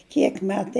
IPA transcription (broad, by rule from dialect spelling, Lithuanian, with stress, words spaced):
ˈkʲiɛk ˈmʲæːtɐɪ